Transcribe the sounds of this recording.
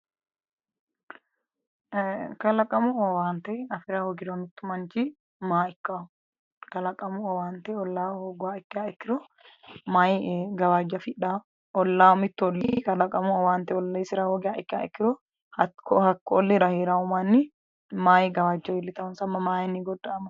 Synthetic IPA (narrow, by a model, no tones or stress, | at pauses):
kɐlɐkʼɐmʊɔwaːnt̪ɛɐfɪɾahɔɡɪdɔmɪt̪ːʊmɐnt͡ʃi | maːɪkːaː | kɐlɐkʼɐmʊɔwaːnt̪ɛɔlːaːhoːɡʊaɪkːɪaːɪkːɪɾɔ | maːjɡɐwaːd͡ʒːɐfɪᶑa | ɔlːaːmɪt̪ːʊɔlːɪkɐlɐkʼɐmʊɔwaːnt̪ɛɔlːɐɪsɪɾahoɡɪaːɪkːɪa̰ːɪkːɪɾɔ | ɐkɔhɐkːɔɔlːɪɾɐheːɾaʊmɐnːɪ | maːjɪɡɐwaːd͡ʒːɐwɪlːɪt̪ɐʊnsɐmːɐmaːjnːiɡɔd̪ːɐɐmɐ